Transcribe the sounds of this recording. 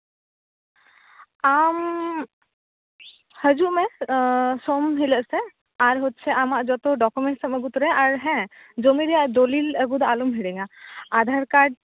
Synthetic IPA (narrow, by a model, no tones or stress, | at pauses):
am | həd͡ʒuʔmɛ | somɦiləʔsɛ | aɾɦot̪̚t͡ʃʰɛʔamaʔd͡ʒɔt̪ɔɖɔkumɛɳʈsəməɡut̪ɔɾɛʔaɾɦɛ̃ | d͡ʒomiɾɛjaʔd̪oliləɡud̪ɔʔalumɦiɽɛŋaːd̪ʱaɾkaɾɖ̚